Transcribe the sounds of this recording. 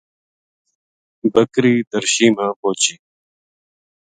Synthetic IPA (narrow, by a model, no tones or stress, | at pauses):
bəkɾiːd̪əɾʃiːmãːpoːt͡ɕiː